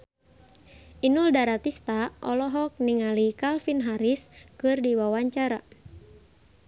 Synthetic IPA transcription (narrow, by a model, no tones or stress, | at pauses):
ʔinuldaɾat̪ist̪aʔɔlɔɦɔk̚niŋalikalfinɦaɾiskɨrdiwawaɲt͡ʃaɾa